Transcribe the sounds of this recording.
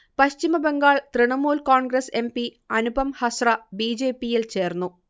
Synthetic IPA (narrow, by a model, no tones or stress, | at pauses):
pɐɕt͡ɕimɐbeŋɡaːɭt̪riɳɐmuːlkoːɳɡɾese̞mpi | ɐnubʱɐmhɐsrɐbiːd͡ʑe̞ːpːijilt͡ɕe̞ːrnːu